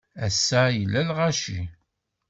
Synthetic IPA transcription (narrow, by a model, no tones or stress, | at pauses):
æsːajlːælʁaʃi